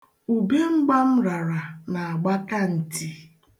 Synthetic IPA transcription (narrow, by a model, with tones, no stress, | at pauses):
u˨be˦ŋ͡m̩˦ɡ͡ba˦m̩˦ɾa˨ɾa˨na˨a˨ɡ͡ba˦ka˦n̩˨ti˦